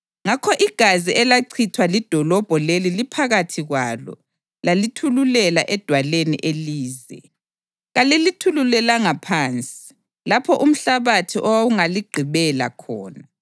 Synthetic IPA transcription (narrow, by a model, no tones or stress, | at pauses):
ŋakʰɔʔiɡ̥ʱaziʔɛlaǀʰitʰwalid̥ʱɔlɔb̥ʱɔlelilipʰaɣatʰiɣwalɔ̰ | lalitʰululɛlaʔɛd̥ʱwalenḭʔeliːzɛ̰ | ɣalilitʰululɛlaŋapʰaːnt͡sʼi̥ | lapʰɔʔum̩ɬaβatʰiʔɔwawuŋaliɡ͡ǃʱiβɛla̰kʰɔːna